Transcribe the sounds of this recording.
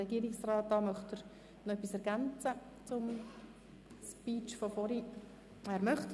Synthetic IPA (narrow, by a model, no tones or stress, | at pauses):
ɛɡiːəɾɪksrɑːt̚d̥ɑːmœχtəɾ | noœpːisɛɾɡ̥ant͡sə | t͡sʊm | spiːt͡ʃfofɔɾi | ɛːɾmœχt